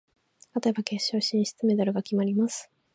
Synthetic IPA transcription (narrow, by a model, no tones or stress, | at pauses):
t̪at̪o̞e̞bake̞ɕːo̞ːɕĩɰ̃ɕi̥t͡sɨme̞d̪oɾɯ̟ɡakʲimaɾʲimasɨ̥